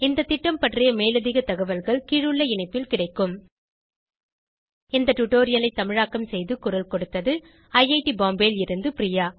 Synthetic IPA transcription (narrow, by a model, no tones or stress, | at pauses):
ɪnd̪ɐt̪ːɪʈːɐmpɐʈrɪjɐmeːlɐðɪɣɐt̪ːɐɣɐʋɐlɣɐɭkiːɻɯɭːɐɪɳɐɪpːɪlkɪɽɐɪkːɯm | ɪnd̪ɐʈuʈːoːɾɪjɐlɐɪt̪ːɐmɪɻaːkːɐmsɛjðɯkʊɾɐlkɔɽɯt̪ːɐðɯ | ɐjɐɪʈibaːmbeːlɪɾɯnd̪ɯpɪɾijaː